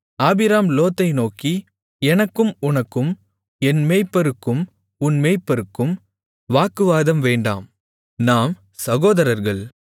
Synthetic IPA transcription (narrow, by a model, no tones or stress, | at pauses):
aːbɪɾaːmloːt̪ːɐɪnoːki | ɛnɐkːɯmʊnɐkːɯm | ɛnmeːpːɐɾɯkːɯm | ʊnmeːpːɐɾɯkːɯm | ʋaːkɯʋaːðɐmʋeːɳɖa̰ːm | naːm | sɐɣoːðɐɾɐɾɣɐɭ